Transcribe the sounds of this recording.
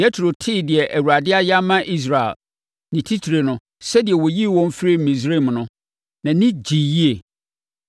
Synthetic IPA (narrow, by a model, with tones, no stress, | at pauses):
ɛ˦tʰɾo˨tʰɪ˦dɪ˨ɛ˨ʔæ˨wu˨ɾa˨dɪ˦a˦ja˦mã˦ʔi˦s̬ɾa˨ɛ̰˨l | nɪ̃˨tʰi˦tʰi˨ɾe˨nʊ̃˦ | sɛ˦di˨ɛ˨wɔ˨ji˦˨wɔ̃˦m˦fɾi˦m̩˨mĩ˨s̬ɾe˦˨mnʊ̃˦ | nã˨nɪ̃˦d͡ʑi˨ji˦e˨